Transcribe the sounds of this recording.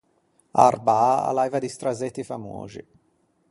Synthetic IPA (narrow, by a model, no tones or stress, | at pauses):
a̰rbaaa̰lajvad̪ist̪ɾazet̪ːifamo̰ːzḭ